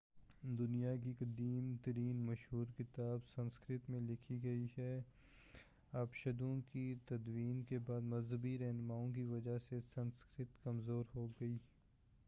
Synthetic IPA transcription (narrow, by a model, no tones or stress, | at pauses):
d̪ʊnijakiqɐd̪iːmt̪ɐɾiːnmɐʃɦuːɾkɪt̪aːbsɐ̃nskɾɪt̪mẽlɪkʰiɡɐiɦɛː | aːpʃɐd̪õkit̪ɐd̪wiːnkebaːd̪mɐzɦəbiɾɛɦnmaːõk̬iʋɐd͡ʒasesɐ̃nskɾɪt̪kɐmzoːɾɦoːɡɐiː